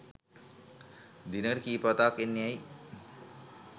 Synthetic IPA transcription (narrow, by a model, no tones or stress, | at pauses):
d̪inəɾikiːpat̪akenːeaj